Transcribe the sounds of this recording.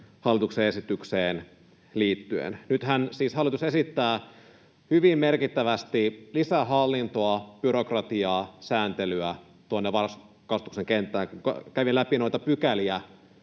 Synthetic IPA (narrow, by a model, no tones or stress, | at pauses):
hɑlːit̪ukseesit̪ykseːn | liːt̪ːyḛnnyt̪hænsiːshɑlːˑit̪usesit̪ːæː | hyʋimmerkit̪ːæʋæst̪ilisæɦɑlːint̪oɑb̥yɾo̞krɑt̪iɑːsæːnt̪elyæ | t̪uonːeʋɑrs | kɑst̪ukseŋkent̪ːˑæːŋkuŋkkæʋilæpinojt̪ɑpykæliæ